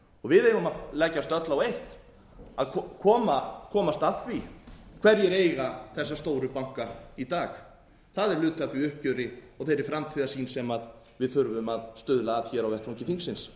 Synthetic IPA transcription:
ɔɣvɪðejvʏmalɛcːast̪œt̪lawejht̪ | aðkkʰɔːmakʰɔːmast̪atfvikʰv̥ɛɾjɛɾeːjɣaθɛs̬ːast̪oːwɾʏpawŋ̥kait̪aːx | θaðɛɾlʏːt̪ʰaθviʏhp̚cʏɾɪɔɣθejɾɪɾfɾamt̪ʰiːðasiːnsɛmað | vɪðθʏɾvʏmaðst̪ʏðlaːðçɛːɾawvɛht̪soŋɲcɪθiŋksɪns

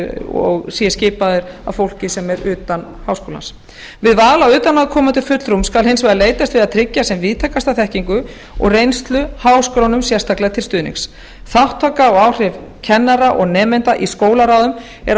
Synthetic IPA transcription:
ɔ̰ɣsiɛscɪːpaðʏɾa̰vfowl̥cɪsɛmɛɾʏːt̪an | haːwskowla̰ns | vɪðvaːɣlaʏːt̪anaðkʰɔːmant̪ʏfʏt̪lɾumskalɦhensvajðaleːjt̪ast̪vɪðaðt̪ʰɾɪcːasɛmviːðt̪ʰaːkast̪aθɛhciŋkʏ | ɔ̰ɣrejnst̪lʏhaːwskɾawnʏmsjɛrst̪aklɛɣat̪ʰɪlst̪ʏːðnɪ̰ks | θawht̪ʰːaːkaɔɣaːwr̥ɪvcʰɛnːaɾaʔɔɣnɛːmɛjnt̪aʔiskoːwlaɾaːwðʏm | ɛɾ

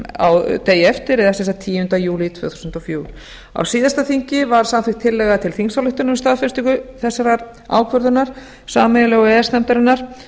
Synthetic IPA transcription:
a̰wt̪eːjɛft̪ɪɾɛðasɛnsat̪ʰːiːʏnt̪ajuːlit̪ʰvœ̰ːθu̥snt̪ɔfjuːwɾ̥ | a̰wsiːðast̪aθiŋ̥cɪvaɾ̥samθvɪkt̪ʰːɪlːɛɣat̪ʰɪlθiŋsawlʏht̪ʏnʏmist̪aːðfɪnst̪ikʏθɛsːaɾaɾ | a̰ːwkʰvœɾðʏnaɾ̥ | saːmɛjalɛɣɔɛɛsnɛmt̪aɾɪnːaɾ̥

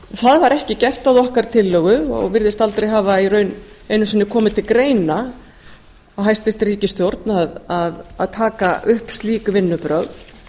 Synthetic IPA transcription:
θaðvaɾʔɛhcɪcɛr̥t̪awðɔhkaɾ̥t̪ʰɪlːœɣʏɔ̰ɣvɪɾðɪst̪alt̪ɾejɦaːvairœɥn | ejnʏsinːɪkʰɔːmɪt̪ʰɪlkɾeːjna | awɦajst̪vɪst̪riːcɪst̪jowɾt̪naðaða̰ðt̪ʰaːkaʔʏhpst̪liːkʏvɪnːʏpɾœɣθ

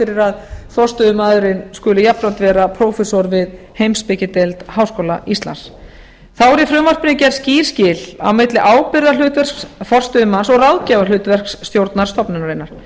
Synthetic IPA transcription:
ɪɾɪɾaðθɔst̪ʏðʏmaːðʏɾɪnskʏːlʏjap̪ɾawnt̪vɛːɾapʰɾowfɛsɔɾvɪð | hejmspɪcɪt̪elt̪haːwskoːwlaʔist̪la̰ns | θawɛɾifɾʏmvar̥pɪnɪcɛɾsciːɾ̥scɪla̰wmɪt̪lɪʔaːwpɪɾðalʏːt̪vɛr̥kθɔr̥st̪ʏðʏmansɔɣrawðcaːvalʏːt̪vɛr̥ksːt̪jowɾt̪naɾ̥st̪ɔpnʏnaɾenːaɾ̥

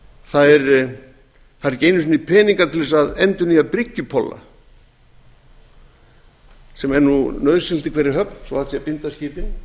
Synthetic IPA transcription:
θaðɛɾ | θaðɛɾceːjnʏsʏnipʰɛːniŋkaɾt̪ʰɪlðɛsaðɛnt̪ʏniːapɾɪcːʏpʰɔlːa̰ | sɛmɛɾnunœðɾsɪlt̪ɪkʰvɛːɾɪɦœpnsɔ̰hat̪sɛapɪnt̪asciːpɪn

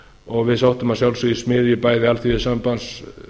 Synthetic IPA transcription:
ɔɣvɪðsawht̪ʏmaðsjawlsʏismɪːðjʏpaːjðɪalθiɪsampans

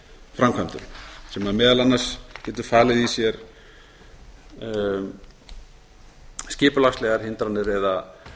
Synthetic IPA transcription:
fɾamkʰant̪ʏ̰sɛmaðmɛːðalanːḁscɛːt̪ʏɾ̥faːlɪðisjɛɾ | scɪːpʏlaxslɛɣaɾ̥hɪnt̪ɾanːɪɾɛða

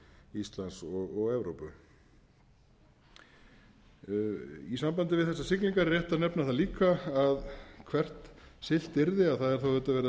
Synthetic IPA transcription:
ist̪lansɔɣɔɣɛvɾowpʏ | isampant̪ɪvɪðθɛsːasɪkniŋkaɾrjɛht̪anɛpnaθaliːkaaðkʰvɛr̥t̪sɪl̥t̪ɪɾðɪaðθaðɛɾ̥θawʏt̪ːavɛːɾa

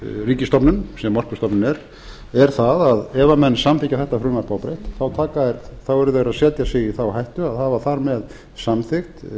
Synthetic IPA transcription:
riːcɪst̪ɔpnʏnsɛmːɔr̥pʏ̥st̪ɔpnʏnɛɾ | ɛɾ̥θaðaðɛvamɛnːsamθicaθɛht̪afɾʏːmaɾpaːwpɾejht̪θawt̪ʰaːkaɛɾt̪θawɛɾʏðɛɾaðsɛːt̪jasejɪθawɦajht̪ʏaðhaːvaθaɾmɛð | samθɪxt̪

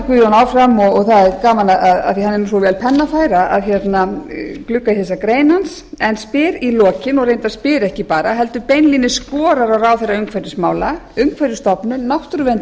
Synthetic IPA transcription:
kvʏðjɔnaːwfɾamɔɣɔɣθaðɛɾkaːmanaaða̰θihanːɛɾnusovɛːlpʰɛnːafaːjɾaa̰ðçɛt̪naklʏkːaiθɛs̬akɾeːjnans | ɛnspɪːɾilɔːcɪnɔɣɾrejnt̪aspɪːɾɛhcɪpaːɾaɦɛl̪t̪ʏpejnlinɪskɔːɾaɾawraːwθejrːaʏŋkʰvajɾɪsmaːwlaʏmkʰvajɾɪst̪ɔpnʏnawht̪ɾvɛnt̪

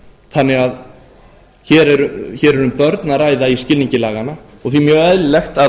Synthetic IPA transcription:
θanːɪɣað | çɛɾɛɾʏçɛːɾɛɾʏmpœɾt̪naraːjðaiscɪlniɲcɪlaːɣana | ɔɣθvimjœːɣɛðlɪlɛxt̪a

